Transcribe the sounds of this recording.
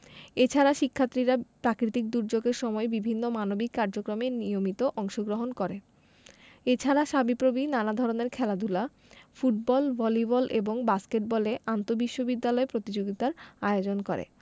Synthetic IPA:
et͡ɕʰaɾaʃikʰːat̪ːɾiɾapɾakɾit̪ik̚d̪uɾd͡ʑoɡeɾʃɔmɔebibʱinːomanobikːaɾd͡ʑokɾomenijomit̪oʔɔŋʃoɡɾoɦonkoɾe | et͡ɕʰaɾaʃabipɾobinanad̪ʱɔɾoneɾkʰɛlad̪ʱula | fuʈ̚bɔlbɔlibɔlʔeboŋbaskeʈ̚bɔleʔant̪obiʃːobid̪ːalɔepɾot̪id͡ʑoɡit̪aɾaeod͡ʑonkoɾḛ

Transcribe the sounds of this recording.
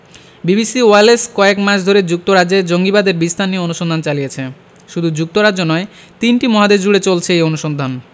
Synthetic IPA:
bibisioaleskɔekmaʃd̪ʱoɾed͡ʑuk̚t̪oɾad͡ʑed͡ʑoŋɡibad̪eɾbist̪ʰanːioonuʃond̪ʱant͡ɕalijet͡ɕʰe | ʃud̪ʱud͡ʑuk̚t̪oɾad͡ʑːonɔe | t̪inʈimɔɦad̪ed͡ʑuɽet͡ɕolt͡ɕʰeejonuʃond̪ʱan

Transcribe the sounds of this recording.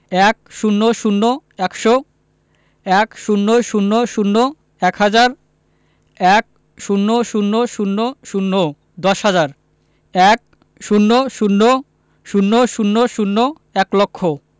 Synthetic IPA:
ɛk̚ʃunːoʃunːoɛkʃo | ɛkʃunːoʃunːoʃunːo | ɛkhad͡ʑaɾ | ɛk̚ | ʃunːoʃunːoʃunːoʃunːo | d̪ɔʃɦad͡ʑaɾ | ɛk̚ | ʃunːoʃunːo | ʃunːoʃunːoʃunːo | ɛklokʰːo

